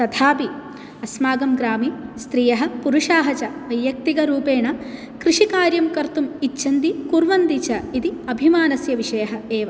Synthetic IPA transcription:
t̪ɐd̪ʱaːpi | ɐsmaːɡɐmɡɾaːmist̪ɾiːjɐɦɐ̆puɾuʂaːɦɐt͡ʃɐʋɐjjɐk̚t̪iɡɐɾuːpeːɳɐ | kɾiʂikaːɾjɐmkɐɾt̪umitːʃʰɐnd̪ikuɾʋɐnd̪it͡ʃɐid̪iɐbʱimaːnɐsjɐʋiʂɐjɐɦɐeːʋɐ

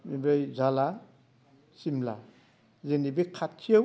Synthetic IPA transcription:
mibajzala | simla | zenibikʰatʰːija

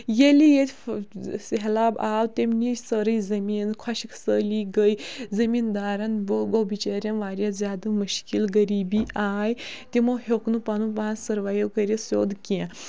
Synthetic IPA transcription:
jelijet̪ʰʲ | sɦelabaːwt̪emnisəɾəjzɐmiːnkʰwaɕikʰsəliɡəjzəmind̪aːɾanbɡobit͡ʃeɾʲjãnʋaːɾʲjazʲaːd̪ɨmuʃkilɡəɾiːbiːʔaːjt̪imoɦoknupanũpãːsəɾʋajewkəɾʲesoːd̪kɛ̃

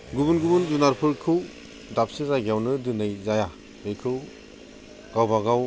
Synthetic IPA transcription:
ɡubunɡubunzunaɾpʰɯɾkʰɯw | dap̚sɯzaɡijawnɯdɯnɯjzaja | bɯkʰɯw | ɡ̥awbaɡaw

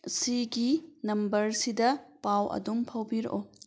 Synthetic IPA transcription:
siɡinɐmbɐɾsidɐpawʔɐ̰dumpʰɐwbiɾo̰ʔo

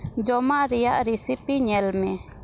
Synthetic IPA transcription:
d͡ʒɔmaʔɾɛjaʔɾisipiɲɛlmɛ

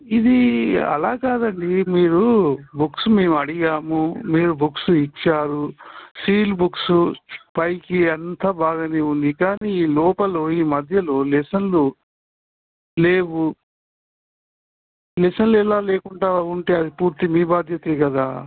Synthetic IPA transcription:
id̪iɐ̰laːkaːd̪ɐɳɖimiːɾubuksume̞ːmuɐɽiɡaːmumiːɾubʱuksuit͡ʃːaːɾusiːlbuksupɐjkiɐnt̪ɐbaːɡɐneːund̪ikaːniːiːlɔːpɐlo̞ːiːmɐd̪ʱjɐlo̞ːlɛsɐnlu | leːwu | lɛsɐnluɛlaːleːkuɳʈaːuɳʈe̞ːɐd̪ipuːɾt̪imiːbaːd̪ʱjɐt̪eːkɐd̪aː

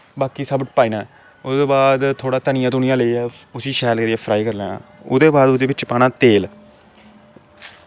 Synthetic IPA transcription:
baːkiːsəbəʈpaːiːnãː | ʊd̪oːbaːd̪t̪ʰoːɽaːt̪ənɪjãːt̪uːnɪjãːləiːɛː | ʊsiːʃɛːlkeɾaːpʰɾaːiːkəɾlɛːnã̰ːʊ̰d̪eːbaːd̪ʊd̪eːbɪt͡ʃpaːnaːt̪eːl

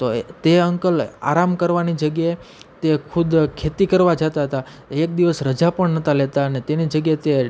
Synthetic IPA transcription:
t̪ot̪eəŋkəla̰ɾamkəɾʋanid͡ʒəɡjaet̪ekʰʊd̪kʰet̪ikəɾʋad͡ʒat̪aɦət̪a | eek̚d̪iʋəsɾəd͡ʒapəɳnət̪alet̪aənet̪enid͡ʒəɡjaet̪e

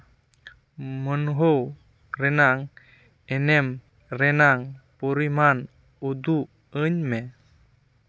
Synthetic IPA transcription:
mənɦow | ɾɛnaŋ | ɛnɛm | ɾɛnaŋpɔɾiman | ud̪u | ɯɲmɛ

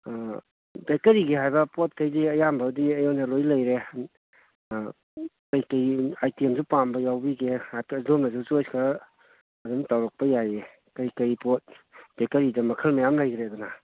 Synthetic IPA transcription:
bekɐɾiɡeɦajbɐpɔt̚kəjdiɐjambaːwdiɐjɔnɐlojlɐjɾe | kajkɐjajtiemzupambɐjawbiɡeakadomnazuzojskʰɐ | ɐduntawɾɔk̚pɐjaje | kɐjkɐjpɔt̚b̥ekɐɾidɐmɐkʰɐlmɐjamlajɡɾeɐduna

